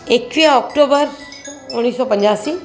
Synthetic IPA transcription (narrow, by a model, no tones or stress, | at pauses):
ek̚t͡ʃiɔkʈobəɾ | ũɽ̃isopə̃ɲd͡ʒasi